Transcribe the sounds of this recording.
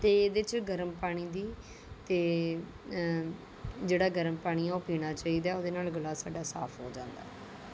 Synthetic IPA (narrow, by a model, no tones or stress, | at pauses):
t̪eːd̪et͡ʃɡəɾəmpaːɽ̃iːd̪iː | t̪eː | d͡ʒeːɽaːɡəɾəmpaːɽ̃iːaopiːɽ̃aːt͡ʃaːiːd̪aːoːd̪eːnaːlɡəlaːsaːɖaːsa̰ːpʰɦoːd͡ʒãːnd̪a̰ː